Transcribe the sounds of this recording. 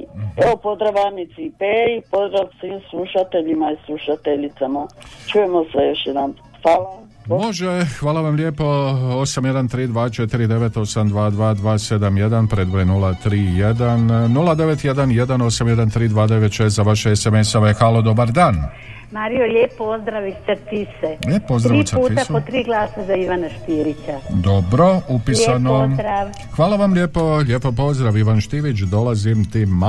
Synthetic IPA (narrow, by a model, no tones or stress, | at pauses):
eopozd̪ɾaʋanit̪sipeipozɾaʋsʋiːmslˠuʃat̪eʎimaislˠuʃat̪eʎit̪samat͡ʃujemosejoʃjed̪an | faːla | mo̞ʒexʋaːlˠaʋamlʲjeːpo̞o̞samje̞d̪ant̪ɾiːd̪ʋaːt͡ʃe̞t̪iɾid̪e̞ʋe̞t̪o̞samd̪ʋaːd̪ʋaːd̪ʋaːse̞d̪amje̞d̪anpɾe̞d̪ʋojenulat̪ɾiːjed̪anːulˠad̪eʋet̪je̞d̪anje̞d̪ano̞samje̞d̪ant̪ɾiːd̪ʋaːd̪e̞ʋe̞t̪ʃeet̪zaʋaʃeesemesaʋexaːlˠod̪o̞baɾd̪aːn | maːɾijolʲeːpːozd̪ɾaʋisat̪iseʎʲeːpːozd̪ɾaiːsuːtpiaot̪ɾiːɡlˠaːsazaiʋanaʃt̪iːɾit͡ɕad̪obɾo̞upilsanoɾa | xʋaːlˠaʋamʎʲeːpo̞ʎʲe̞ːpopo̞zd̪ɾaʋiʋanʃt̪iʋit͡ʃd̪o̞lazimt̪im